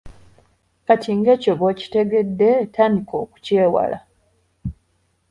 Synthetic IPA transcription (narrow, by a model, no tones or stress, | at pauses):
katʰiŋɡe̞ːcoβoːci̥te̞ɡe̞dːe̞tʰaːndiko̞ːku̥ce̞ːwa̰la̰